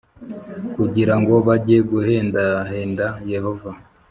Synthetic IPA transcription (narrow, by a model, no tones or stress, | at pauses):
kuɟiɾaŋɡo̞βaɟieɡuheːndaɦe̞ːndaje̞ho̞va